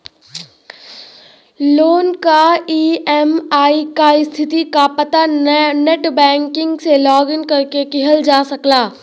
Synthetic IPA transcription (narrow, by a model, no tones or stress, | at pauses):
loːnkaiːɛmaːikaːist̪ʰɪt̪ikapɐt̪aneʈbɛ̃ːŋkɪ̃ŋɡselɔːɡɪnkɐɾkekɪɦəld͡ʒaːsɐklaː